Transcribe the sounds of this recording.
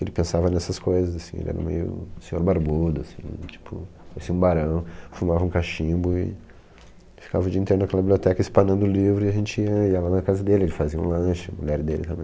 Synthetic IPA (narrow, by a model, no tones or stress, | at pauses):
elɪpẽsavɐnɛsɐskojzɐzasĩḛlɪɛ̰ɾɐ̰mḛjʊ̰sẽɲoɾbaɾbud̪ʊasḭ̃t͡ʃi̥pʰʊ | fsiũbaɾɐ̃w̃fumavɐũkaʃĩbʊɪ̰ | fi̥kavɐʊd͡ʒiɐĩt̪eɾʊnɐkɛlɐbibliot̪ɛkɐispɐnɐ̃nd̪ʊlivɾʊɪaʒẽnt͡ʃɪiɐiɐlannɐkazɐd̪elɪelɪfaziɐũlɐ̃ʃɪɐmuʎɛɾd̪elɪ̰t̪ɐ̃mbẽj̃